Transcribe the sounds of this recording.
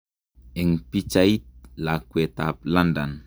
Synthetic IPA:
ɛŋpit͡ʃait̪̚lakuet̪ap̚landan

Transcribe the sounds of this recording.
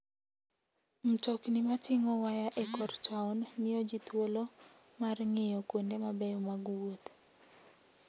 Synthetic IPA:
m̩tɔknɪmatɪŋɔwajaʔekɔrtʰaunmɪjɔd͡ʒit̪wolo | marŋejɔkwondemabɛjɔmaɡwot̪

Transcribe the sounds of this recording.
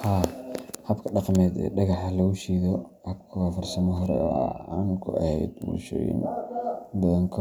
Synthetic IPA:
haːhɐbkʰɐɖɑqmɛːd̪ɛ̰ːɖɑɣɑħlɐɣʊʃiːðɔ | hɐb̚kʰɐwaːfɐrsɐmɔɦɐɾɛ̰ɔ̰ːaŋkʰʊ̰ɐ̰hɛ̰jd̪mṵːʃɔ̰jɪ̰n | bɐðɐŋkʰɔ

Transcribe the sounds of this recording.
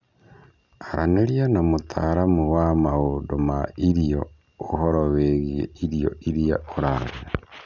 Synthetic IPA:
aɾʔaneɾjanamutʰaɾamuwamaodomaiɾijo | ohoɾoβeɣiḛiɾijo̰ʔiɾija̰oɾaɾea

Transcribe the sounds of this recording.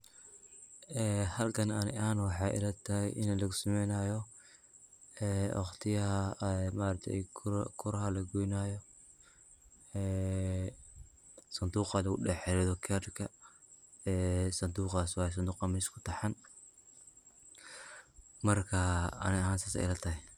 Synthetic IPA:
ʔɛːhɐlkʰɐnɐnɪʔanwɑħɑjʔɪ̰lɐt̪ʰɐhɛ̰jʔɪ̰nlɐɣʊsɐmɛjnajɔ | ɛwɑχt̪ʰɪjɐɦɐmaɾɐt̪ʰɛ̰kʰʊɾɐhɐlɐɡujnaːjɔ | ɛː | sɐnd̪uːqɑlɐɣʊɗɛħɛlɛðɔkʰɛrkʰɐ | ɛːsɐnd̪uːqaːswɑːjs̬ɐnd̪uːqɑmɪskʰʊ̥t̪ʰɐħɑn | mɐrkʰɐɐ̰nɪɐɦaːnsaːsɛ̰ɪ̰lɐt̪ʰɐhɛ

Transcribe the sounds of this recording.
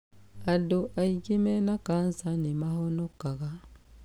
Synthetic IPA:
adoʔaiɡimenakansanimahonokːaɣa

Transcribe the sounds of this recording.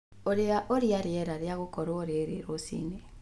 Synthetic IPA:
oɾeaʔoɾiaɾeɛɾaɾeaɣokɔɾwoɾeɾeɾosḭne

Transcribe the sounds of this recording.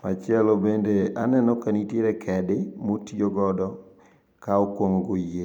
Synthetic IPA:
mat͡ʃɪɛlɔbendeanɛnɔkanitjeɾɛkʰɛdɪmotioɡɔdɔ | kaokwoŋɡoje

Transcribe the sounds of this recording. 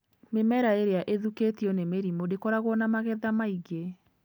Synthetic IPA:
memɛɾaeɾeaʔeðuketiɔnemeɾimodekɔɾaɣwɔnamaɣɛðamaiɡe

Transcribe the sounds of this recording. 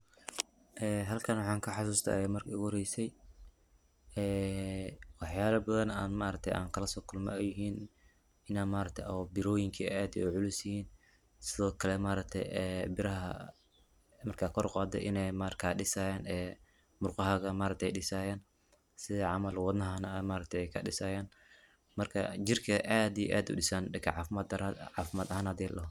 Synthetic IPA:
ʔɛːɦɐlkʰɐnwɑħɑːŋkʰɐħɑs̬uːst̪ʰɐ̰ɛmɐrkʰɐɣhɔɾɛjsɛj | ɛː | wɑħjaːlɐbɐðɐnaːnmaːɾɐk̚t̪ʰɛjʔa̰ːŋkʰɐlɐsɔːkʰʊlmɐ̰ɛjɪɦiːn | ɪnaːnmaːɾɐk̚t̪ʰɛ̰jbɪɾɔːjɪŋkʰiɛaːd̪jɛ̰ʊʕʊlʊsɪhiːn | sɪðɔːkʰɐlɛmaːɾɐk̚t̪ʰɛ̰jɛbɪɾɐɦɐ̰ | mɐrkʰaːkʰɔɾqɑːd̪ɛ̰ʔɪnɛjmakʰaːɖɪsaːjaːnɛː | mʊrqɑɦɐɣɐmaːɾɐkt̪ʰɛjɖɪsaːjaːn | sɪðɛʕɑmɐlwɑd̪nɐɦɐnɐmaːɾɐk̚t̪ʰɛɛjkʰɐɗɪsaːjaːn | mɐrkʰɐ̰d͡ʒɪrkʰɐʔaːd̪ij̰ʔa̰ːd̪ʊ̰ɗɪsaːnɪkʰʕɑɐd̪ʕɑːfɪmɐd̪ɐɦaːnhɐd̪ɛlɐɦ

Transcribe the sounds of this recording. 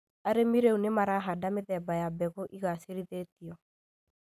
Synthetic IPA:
aɾemiɾeunemaɾaɦadameðɛbajabɛɣoʔiɣaseɾiðetiɔ

